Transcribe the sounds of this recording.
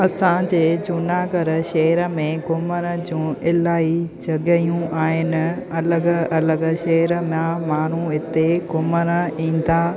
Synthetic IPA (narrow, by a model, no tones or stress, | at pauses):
ɐsãd͡ʑeːd͡ʑʊnaːɡəɾəʃɐːɾəmẽɡʊməɾəd͡ʑũːɪlaːid͡ʑɐɠəjũʔaːɦɪnɪ̆ | ɐləɡɐləɡʃɐɦɾəmãmaːɳ̤ũɪt̪eɡʊməɾəĩːn̆d̪aː